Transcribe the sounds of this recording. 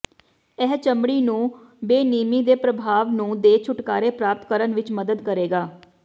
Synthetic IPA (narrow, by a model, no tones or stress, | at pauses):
ɛɦt͡ʃəmɽiːnũːbeːniːmiːd̪eːpɾəbʱaːʋnũːd̪eːt͡ʃʰʊʈkaːɾeːpɾaːp̚t̪kəɾənʋɪt͡ʃməd̪əd̪kəɾeːɡaː